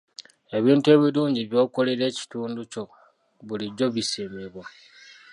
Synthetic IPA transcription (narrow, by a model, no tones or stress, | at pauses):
e̞βiːntwe̞ːβiɾuːɲɟiβjo̞ːko̞leɾe̞ːci̥tuːnduco̞ | βuliɟo̞βisemeβwa